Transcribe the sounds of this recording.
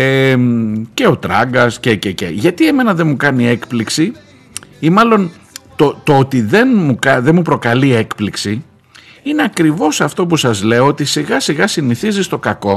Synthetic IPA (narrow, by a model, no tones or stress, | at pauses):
emce̞o̞t̪ɾɐɡɐscececḛʝɐt̪ie̞me̞nɐðe̞mukɐnie̞kpliksi | imɐlo̞n | t̪ot̪o̞ot̪iðe̞nmukɐðe̞mupɾo̞kɐlie̞kpliksi | ine̞ɐkɾivo̞sɐft̪o̞p̬usɐzle̞oot̪isiɣɐsiɣɐsiniθizist̪o̞kɐko̞